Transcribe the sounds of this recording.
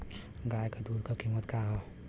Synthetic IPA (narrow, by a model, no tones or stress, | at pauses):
ɡajkad̪uɾkʌkʰimət̪kaɦo